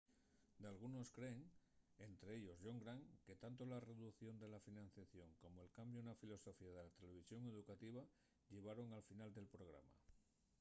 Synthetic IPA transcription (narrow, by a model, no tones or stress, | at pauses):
d̪ealɣ̞uno̞skɾe̞ːŋe̞nt̪ɾeeʎo̞zʝo̞ŋɡɾaŋke̞t̪ant̪olare̞ðuθjo̞nd̪e̞lafinãn̟θjaθjo̞ŋko̞moe̞lkambjonafilo̞so̞fiað̞e̞lat̪ele̞β̞isjo̞ŋe̞ðukat̪iβ̞a | ʎe̞β̞aɾo̞ŋalfinald̪e̞lpɾo̞ɣ̞ɾa̰ma̰